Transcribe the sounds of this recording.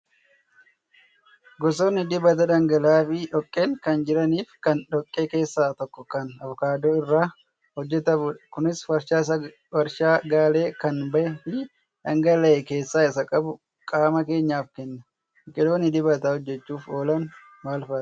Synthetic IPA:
ɡɔs̬oːnːɪd̪ɪbɐt̪ɐᶑɐŋɡɐlaːfɪʔɔkʼːeːŋkɐnd͡ʒɪɾɐniːfkɐnᶑɔkʼːe̞ːke̞ːsːaːt̪ɔkːɔkɐnɐvɔkaːd̪oːɪrːaː | hɔd͡ʒːɛt̪ɐbʊᶑɐkʊnɪswɐɾʃaːsɐ | wɐɾʃaːɡaːle̞ːkɐnbɐʔɛfɪ | ᶑɐŋɡɐlɐʔɛke̞ːsːaːɪsɐkʼɐbʊ | kʼaːmɐke̞ːɲːaːfkɛnːɐ | kʼɪlo̞ːnːɪd̪ɪbɐt̪ɐhɔd͡ʒːɛt͡ʃːuːfoːlɐn | maːlfɐ̥

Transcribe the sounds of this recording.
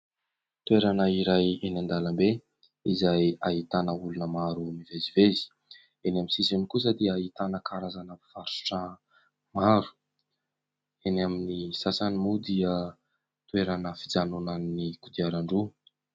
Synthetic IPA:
t̪ueɾanəiɾajenand̪alambe | izajaɦit̪anəulunəmaɾunivezivezi̥ | enaminsisenikus̬əd̪iəːit̪anəkaɾazanəv̥aɾu̥ʈ͡ʂə | maɾu̥ | enaminisasanimud̪iə | t̪weɾanəfid͡zanunannikud̪iaɾaɳɖ͡ʐu

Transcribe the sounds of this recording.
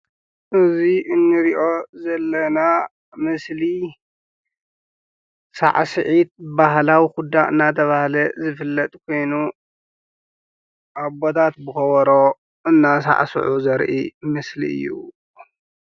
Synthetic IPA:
ʔɨziʔɨnːɨɾiʔo̞zɐlːɐna | mɨsli | sa̰ʕsɨʕit̪̚baɦlawixud̪aʔɨnːat̪ʰɐβahlɐzɨfɨlːɐt̪ʼkʰo̞jnu | ʔabot̪ʰat̪bɨxɐwɔɾo̞ | ɨnːas̬a̰ʕsɨ̰ʕuzɐɾʔḭmɨslḭɨ̰jːṵ

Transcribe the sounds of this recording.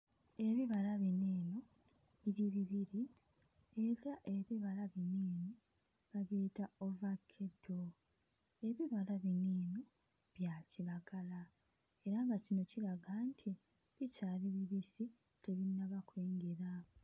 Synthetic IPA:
e̞βiβalaβineːno̞ | βiɾiβiβiɾi | e̞ɾaʔe̞βiβalaβiniːno | βaβeːtaovakʰːedo | e̞βiβalaβiniːno | βjaːciɾaɡala | e̞ɾaŋɡacino̞ciɾaɡantʰi | βicaːɾiβiβisi | tʰe̞βinːaβakweːŋɡeɾa

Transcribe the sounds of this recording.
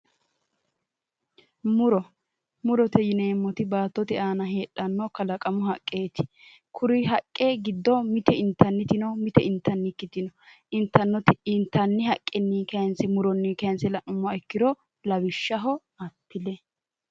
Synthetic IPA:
mʊɾɔ | mʊɾɔt̪ɛjɪneːmːɔt̪ɪbaːt̪ːɔt̪ɛʔaːnɐɦeːᶑːɐnːɔkɐlɐkʼɐmʊɦɐkʼːe̞ːt̪ɪ̥ | kʰʊɾɪɦɐkʼːeɡɪd̪ːɔmɪt̪ɛɪnt̪ːɐnːɪt̪ɪnɔmɪt̪ɛɪnt̪ːɐnːɪkːɪt̪ɪnɔ | ɪnt̪ːɐnːɔt̪ɪɪnt̪ːɐnːɪhɐkʼːɛnːiːkɐnsɛmʊɾɔnːiːkɐjnsɛlɐʔʊmːɐɛkːɪd̪ɔ | lɐbɪʃːɐɦɔ | ɐpːɪlɛ

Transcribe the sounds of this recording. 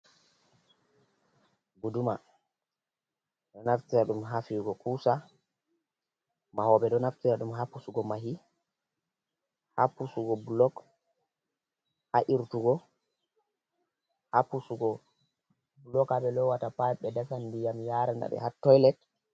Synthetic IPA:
ɡuduma | ɗɔnaftiɾaɗumɦafiɡɔkusa | mahɔɓɛɗɔnaftiɾaɗumɦapusuɡɔmaɦi | ha̰pusuɡɔbulɔk | haʔiɾtuɡɔ | hapusuɡɔ | bulɔkaɓɛlɔwatapajɓɛdasandijamjaːɾanda̰ɓɛ̰hatːɔjlɛt

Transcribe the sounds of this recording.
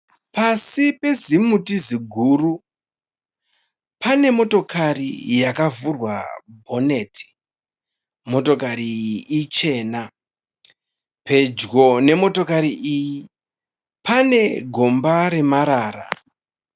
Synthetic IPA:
pasipe̞zimutiziɡʱuːru | pʰane̞mo̞to̞kʰarḭjakavurwa̰bʱo̞ne̞tʰi̥ | mo̞to̞kaɾiit͡ʃe̞ːna | pe̞d͡ʒɡo̞ne̞mo̞to̞kaɾiʔiji | pʰane̞ɡʱo̞mbaɾe̞maɾaːra̰

